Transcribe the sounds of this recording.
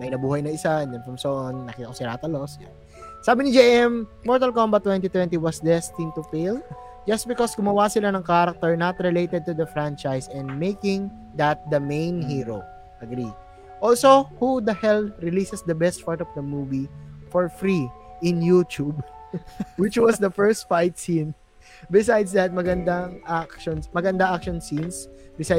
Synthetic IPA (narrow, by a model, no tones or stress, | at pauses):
mɐʔɪnɐbuːhɐjnɐɪsaʔɛ̃nd̪ɛnfɐmsɐʔonːɐkiːt̪ɐkosɪɾaːt̪ɐlosja̰n | saːbɪnɪd͡ʒeʔɛm | mɔɹt̪ɐlkombɐt̪ːwɛnt̪it̪wɛ̃nt̪iwɐsd̪ɛst̪ɪ̃nt̪ʊfel | d͡ʒɐst̪̚bɪkɔsɡʊmɐwasɪlanɐŋkaɾɐk̚t̪ɔɹnɐt̪ɾɪlejt̪ɛd̪̚t̪ud̪ɐfɹãnt͡ʃajsɛ̃nd̪mejkɪ̃ŋ | d̪ɐt̪̚d̪ɐmẽjnɦiɹo | ʔɐɡɾi | ʔɔlsohud̪ɐhɛlɹɪlisɛsd̪ɐbɛst̪̚paɹt̪ɔvd̪ɐmuvifɔɹfɾiɪ̃njut̪ub | wɪt͡ʃwɐsd̪ɐfɛɹst̪fajt̪̚sĩn | bɪsajd̪sd̪ɐt̪̚mɐɡɐnd̪aŋʔakʃɔnsmɐɡɐnd̪aʔakʃɔnsĩnsbɪsa